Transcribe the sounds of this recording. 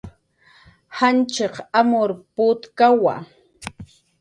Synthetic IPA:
hant͡ʃeqamoɾpʊt̪kawa̰

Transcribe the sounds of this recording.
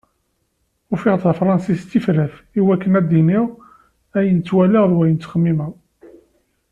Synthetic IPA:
ʊfɪʁt̪θæfɾˤɑnsist̪ːifɾæfiwækːənæd̪iniʁ | æjənt͡sːwæliʁðwæjənt̪t͡s̪ːχəmːimə

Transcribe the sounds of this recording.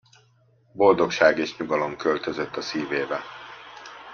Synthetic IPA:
bo̞ld̪o̞kʃaːɡeːʃɲuɡɒlo̞mkø̞lt̪ø̞zøt̪ːɒsiːveːbɛ

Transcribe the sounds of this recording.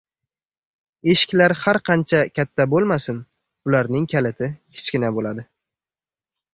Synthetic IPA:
e̞ʃɪ̥kʲlaɾhaɾqʰɑnt͡ʃʰakʲʰat̪ʰːabolˠmasɪn | ʊlaɾnɪŋkʲʰalɪt̪ʰɪhɪ̥t͡ʃkʲɪnabolad̪ɪ

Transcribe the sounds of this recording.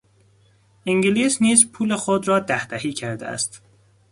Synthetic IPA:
iŋɡiliːsniːzpʰuːlexod̪ɾɒːd̪æhd̪æhiːcʰæɾd̪ḛæ̰st̪

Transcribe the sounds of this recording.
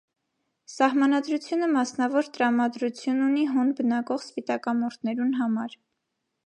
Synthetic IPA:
sɑhmɑnɑd̪ɾut͡sʰjunəmɑsnɑvɔɾt̪əɾɑmɑd̪ɾut͡sʰjununiɦɔnbənɑkɔχspit̪ɑkɑmɔɾt̪ʰnɛɾunɦɑmɑɾ

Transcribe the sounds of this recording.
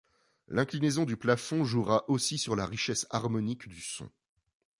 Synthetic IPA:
lɛ̃klinezɔ̃d̪yplafɔ̃ʒuʁaʔosisyʁlaʁiʃɛsaʁmɔnikd̪ysɔ̰̃

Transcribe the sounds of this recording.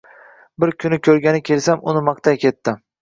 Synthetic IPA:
bɪɾkʲʰʊnɪkʲʰɵɾɡʲanɪkʲʰelsamʊnɪmɑqt̪ʰajkʲʰe̞t̪ːɪ

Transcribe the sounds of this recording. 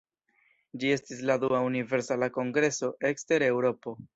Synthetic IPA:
d͡ʒie̞stisladuaunive̞ɾsalako̞ŋɡɾe̞so̞ʔe̞kste̞ɾe̞wɾo̞po̞

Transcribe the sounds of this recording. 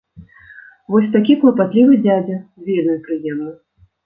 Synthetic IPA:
vɔsʲt̪akʲiklˠɐpat̪lʲivɨd͡zʲad͡zʲɐvʲed̪ɨjupɾɨjɛmnɐ

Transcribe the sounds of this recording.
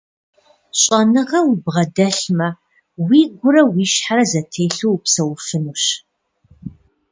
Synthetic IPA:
ɕʼɐnɨʁɐwʊbʁɐdɐɬmɐ | wiːɡʷʊɾɐwiːʃħaɾɐzɐtʰeːɬuwpsɐwfɨnuːɕ

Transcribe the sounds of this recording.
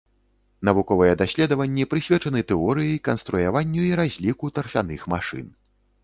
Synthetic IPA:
nɐvukɔvɨjɛd̪asʲlʲɛd̪ɐvɐnʲːɛpɾɨsʲvʲɛt͡ʂɐnɨt̪ɛɔɾɨjɐjkɐnst̪ɾujavanʲːuiɾazʲlʲikut̪ɐrfʲanɨxmaʂɨ̰n

